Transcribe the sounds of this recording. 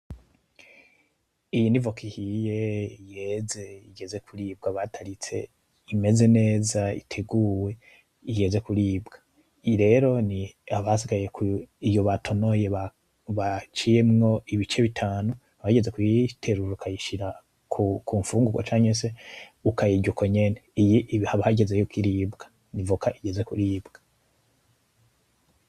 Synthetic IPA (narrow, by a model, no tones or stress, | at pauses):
ijinivo̞kihije̞ije̞ze̞iɡe̞ze̞kʰuɾiːb̚ɡaβatʰaɾit͡se̞̰ | ime̞ze̞ne̞ːzaḭtʰe̞ɡuːwe̞ | ije̞ze̞kuɾiːbɡḁ | iɾe̞ɾo̞niaβasiɡajekʰuijo̞βatʰo̞no̞je̞ | βat͡ʃije̞mŋo̞iβit͡ʃe̞βitʰaːnu | aβahɟe̞ze̞kwitʰe̞ɾuɾoukʰajiʃiɾa | kʰukuːɱfuːŋɡuɡo̰t͡ʃaːɲese̞ukajiɟukʰo̞ɲe̞neijihaβaɟe̞ze̞jukiɾiːbɡḁ | nivukʰaʔiɟe̞ze̞kuɾiːbɡ̥a